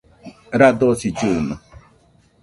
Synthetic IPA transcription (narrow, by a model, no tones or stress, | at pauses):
ɾad̪osid͡ʒɨnɔ̰